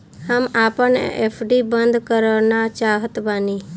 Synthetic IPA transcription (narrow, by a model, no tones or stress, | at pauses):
həmaːpənḛpʰɖibənd̪ʱkəɾənat͡ʃaːɦət̪bani